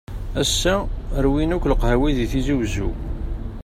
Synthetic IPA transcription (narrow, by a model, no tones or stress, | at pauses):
æsːæəɾwinukʷləqhæwiðiθiziwzu